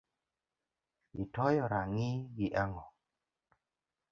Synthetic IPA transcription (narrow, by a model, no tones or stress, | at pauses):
itɔjɔɾaŋɪɡiʔaŋɔ